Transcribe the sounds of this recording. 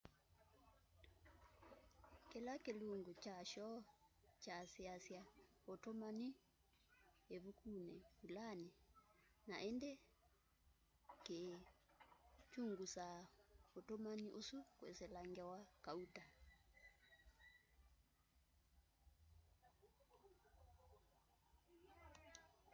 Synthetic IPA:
kelakeluŋɡut͡ʃaʃɔt͡ʃasiasja | otomani | eβukunɛβulani | naʔendɛ | ke | t͡ʃuŋɡusaotomaniʔosukwḛsɛlaŋɡɛwakauta

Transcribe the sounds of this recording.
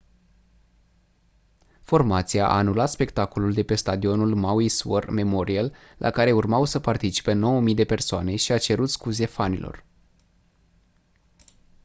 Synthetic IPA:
fo̞rmat̪sijaʔa̰ːnulat̪spe̞kt̪ako̞luld̪e̞pe̞st̪ad̪io̞nulmawisuo̰rme̞mo̞ɾiel | lʔa̰kaɾe̞urmawsəpart̪it͡ʃi̥pe̞no̞wəmijd̪e̞pe̞rsoane̞ʃiat͡ʃe̞ɾut̪skuze̞fanḭlʔo̞̰r

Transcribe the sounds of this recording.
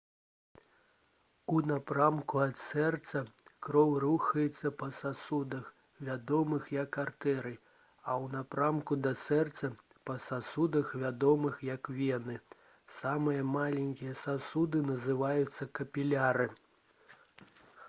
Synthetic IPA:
unapɾamkuɐt̪sɛrt̪sɐkɾɔwruxɐjɛt̪sːɐpɐsasud̪ɐx | vʲad̪ɔmɨxjɐkːart̪ɛɾɨ | ɐwnapɾamkud̪ɐsɛrt̪sɐ | pɐsasud̪ɐxvʲad̪ɔmɨxjɐkvʲɛnɨ | samɨjɐmalʲɛnʲkʲijɐsasud̪ɨnɐzɨvajut̪sːɐkɐpʲilʲaɾɨ

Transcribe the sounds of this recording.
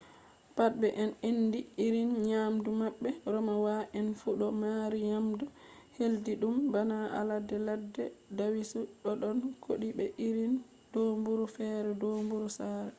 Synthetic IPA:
pat̚bɛʔɛnenːdiiɾinɲaːmdumaɓːɛɾɔmawaʔɛnfuɗɔmaːɾiɲamdu | heldiɗumbanaʔa̰ladɛladːɛdawisuɗɔɗɔnkʰoɗibɛʔiɾin | d̥ombuɾufɛɾɛdombuɾusaɾɛ

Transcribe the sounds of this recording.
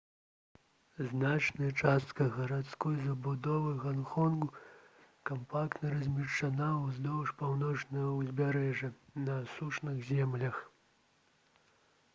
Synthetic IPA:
znat͡ʂnɐjɐt͡ʂast̪kɐɣɐɾat̪skɔjzɐbud̪ɔvɨɣanxɔnɡu | kampakt̪nɐɾɐzʲmʲiʂt͡ʂanawzd̪ɔwʂpawnɔt͡ʂnɐjɐwzʲbʲaɾɛʐɐnɐsuʂnɨɣzʲɛmlʲɐx

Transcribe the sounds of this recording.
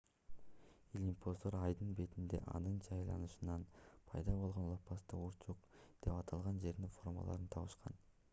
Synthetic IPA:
ilʲimpo̞zd̪oɾɑjd̪ɯnbe̞t̪ind̪e̞̰ʔɑ̰nɯnd͡ʒɑjlˠɑ̰nuʃɯnɑnpʰɑjd̪ɑbolˠʁo̞nlˠɑpːɑst̪ɯuɾt͡ʃuqd̪̥e̞pɑt̪ʰɑlˠʁɑnd͡ʒe̞ɾd̪info̞rmɑ̰lˠɑ̰ɾɯnt̪ʰɑβɯʃqɑn

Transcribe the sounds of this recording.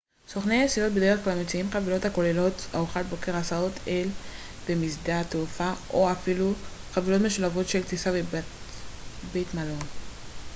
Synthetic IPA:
so̞χneasilo̞t̪bed̪e̞e̞χklamet͡siimχavilo̞thako̞lelo̞tauχat̪̚bo̞ke̞ʁasaot̪ʰel | bemisdat̪eufaʔoafilu | χavilo̞tme̞ʃulavo̞tʃe̞lt͡sisaveb | bejtmalo̞n

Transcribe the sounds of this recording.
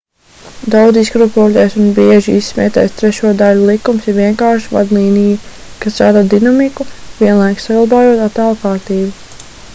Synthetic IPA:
d̪awd̪ziskɾupoːlʲɛjsunbiɛʒiisːmʲɛ̰ːt̪ɛ̰ːst̪ɾɛʃuɔd̪aʎulˠikumsiɾviɛŋkaːɾʃva̰d̪lˠiːniju | kast̪ɾaːd̪aːd̪inamikuviɛnlˠajksaɡlˠabaːjuɔt̪at̪aːlˠkaːɾt̪iːbu

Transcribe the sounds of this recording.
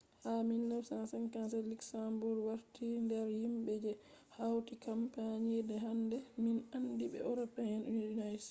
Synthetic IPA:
haminːafsansankansɛliksambuɾwaɾtindɛɾhimɓɛd͡ʒɛ | hawtikampaɲidɛɦandɛminandiɓɛ̰ɔɾɔpahɛnundinas

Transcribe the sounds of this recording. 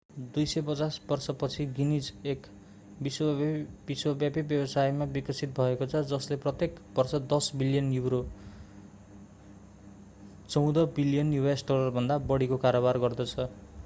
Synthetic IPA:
d̪ujsʌjpʌt͡sasbʌrsʌpʌt͡sʰiɡinid͡zek | biswʌbiswʌbjapibjʌbʌsajmabikʌsit̪̚bʱʌekot͡sʰʌd͡zʌsleprʌt̪jekbʌrsʌd̪ʌsbilijʌnjuwɾo | t͡sʌw̃d̪ʌbilijʌnjubasʈolʌrbʱʌnd̪abʌɽikokaɾobarɡʌrd̪ʌt͡sʰʌ

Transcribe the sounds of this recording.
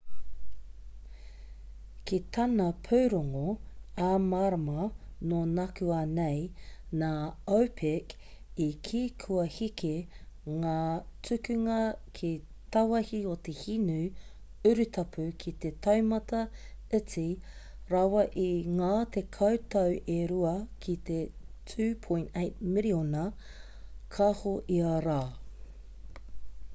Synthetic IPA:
kit̪ʰɐnɐpʰuwɾoŋoamaɾɐmɐnoːnɐkʉanejnaːowpʰɪk | ikʰiːkʰʉɐhikʰeŋaːt͡sʉkʉŋɐkʰi | t̪ɐwɐhiot̪ehinʉ | ʉɾʉt̪ʰɐpʰʉkʰit̪e̞tʰɐwmɐtɐɪt͡siɾɐwɐʔiŋaːt̪ekʰɐwtɐwʔeɾuɐkʰit̪etʰʉːpʰõjntejt̚miɾionɐ | kʰɐhoʔiɐɾaː

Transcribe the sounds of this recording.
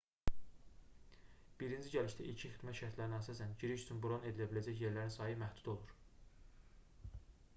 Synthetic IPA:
b̥iɾind͡ʒiɟæliʃd̪æʔicʰiexid̪mæt̪ʃæɾt̪ʰlæɾinæsɑsænɟiɾiʃyt͡ʃʰynbuɾone̞d̪ilæbilæd͡ʒæçje̞ɾlæɾinsɑːjimæhd̪ud̪o̞lˠuɾ

